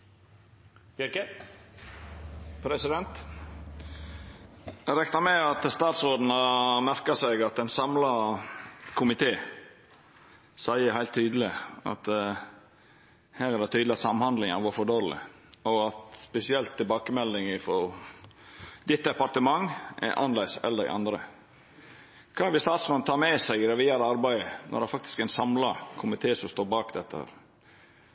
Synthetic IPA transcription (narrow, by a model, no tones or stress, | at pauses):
pʰɾɛsɪd̪ɛnt̪ | ɾɛknɑɾmɛɑt̪st̪ɑːt̪sɾoːd̪n̩ɑmæɾkɑsɛɡɑt̪ɛnsɑmlɑ | kʰʊmɪt̪ʰeː | sæɪəhæɪlt̪ʰːyːd̪əlɪɑ̰t̪ | hæːɾæɾd̪ɛt̪yːd̪lɪɑt̪sɑmhɑnd̪lɪŋɑʋɔfɔɖoːɾlɪ̰ | ɔɑt̪spɛsɪɛlt̪ʰːɪlbɑːkəmɛlnɪŋɪfɔɾ | d̪ɪt̪ːd̪ɛpɑɾt̪əmɑŋʔɛ̰ɾʔɑ̰nlæɪsɛ̰lːəd̪æ̰ɪʔɑ̰nd̪ɾə | kʰɑːɛɾʋɪlst̪ɑːt̪smɑnt̪ʰɑːɾmɛsæɪɡɾɛʋiːɑɾɑɾbæɪənɔ̰d̪ɛæɾfɑk̚t̪ɪ̥skæɪnsɑmlɑkʰʊmɪt̪ʰeːsɔmst̪oːɾbɑːkd̪ɛt̪ːəhæ̰ːɾ